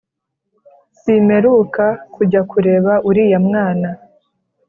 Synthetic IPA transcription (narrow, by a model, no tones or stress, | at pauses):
sime̞ɾukakuɟakuɾe̞ːβaʔuɾiːjamŋaːna